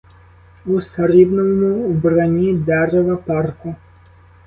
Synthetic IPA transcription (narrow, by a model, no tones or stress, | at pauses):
usaɾibnɔmuːbranʲid̪ɛɾɛvɐparku